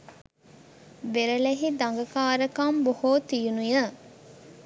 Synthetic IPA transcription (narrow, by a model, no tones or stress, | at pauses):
beɾɐleɦid̪aŋɡɐkaːɾəkɐmbohoːt̪ijunujə